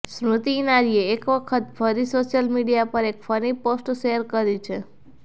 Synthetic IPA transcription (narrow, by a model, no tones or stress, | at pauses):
sɳut̪iːnaɾieːkʋəkʰət̪fʰəɾisoʃjəlmiɖijapəɾekfʰəniposʈʃeəɾkəɾit͡ʃʰe